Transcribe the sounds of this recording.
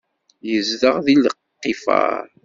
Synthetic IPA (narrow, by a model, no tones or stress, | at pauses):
jəzðəʁðiləqːifa̰ɾ